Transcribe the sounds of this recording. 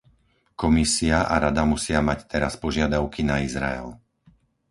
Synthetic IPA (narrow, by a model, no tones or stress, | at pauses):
kɔmisiaʔa̰ɾad̪amusɪamact̪ɛɾaspɔʒɪad̪aʊkinaizɾa̰ɛ̰l